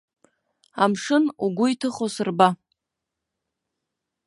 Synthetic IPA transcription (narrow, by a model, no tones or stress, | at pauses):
amʂɨnuɡʷʊitʰɨχosɨrba